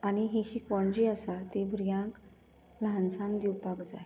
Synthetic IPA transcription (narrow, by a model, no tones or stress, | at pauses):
aɽ̃iɦiɕikʋɔɳd͡ʑiəsat̪ebʱɾijãk | lãnsãnd̪iwpakd͡za̰e